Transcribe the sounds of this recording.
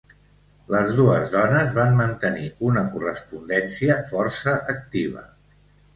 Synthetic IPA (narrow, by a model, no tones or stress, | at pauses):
ləzðuəzðɔnəzβammənt̪əniunəkurəspund̪ɛnsiəfɔrsəʔək̚t̪iβ̞ə̰